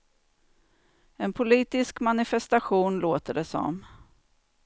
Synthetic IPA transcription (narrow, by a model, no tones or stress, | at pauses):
ɛnpʰʊliːt̪ɪskmanɪfɛst̪aɧuːnloːt̪əɖɛsɔ̰m